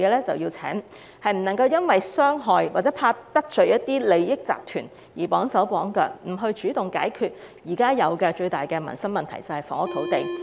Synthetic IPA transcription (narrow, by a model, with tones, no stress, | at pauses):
kɛː˧lɛː˥t͡sɐ̰˨wjiː˧t͡sʰɛ̰ː˨˥ŋ | hɐ˨jm̩˨˩nɐ˨˩ŋkɐ˧wjɐ˥nwɐ˨jsœː˥ŋɦɔː˨jwaː˨t͡sɛː˨˦˥pʰaː˧t̪ːɐ˥k̚t͡ʃɵ˨ɥjɐ˥tt̪iː˥le˨˧jːɪ˥k̚t͡sa̰ː˨p̚t̪ʰy̰ː˨˩n | jiː˨˩pɔː˨˥ŋsɐ˨˥wpɔː˨˥ŋkœ̰ː˧k̚m̩˨˩ɦɵ˧ɥt͡ʃyː˨˥t̪ʊ˨˩ŋka̰ː˨˥jkʰyː˧t̚jiː˨˩kaː˥jɐ˨˧wkɛ˧t͡ʃɵ˧ɥt̪aː˨jkɛː˧mɐ̰˨˩nsɐ˥mɐ˨nt̪ʰɐ̰˨˩jt͡sɐ˨whɐ˨˩jfɔ̰ː˨˥ŋʊ˥t̪ʰo˨˥wt̪e˨j